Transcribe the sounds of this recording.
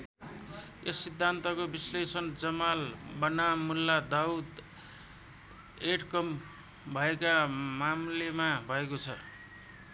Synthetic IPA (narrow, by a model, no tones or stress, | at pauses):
esːid̪ʱːant̪ʌkobislesʌnd͡zʌmalbʌnamːulːad̪aud̪ | eʈkʌm | bʱʌekamamlemabʱʌekot͡sʰʌ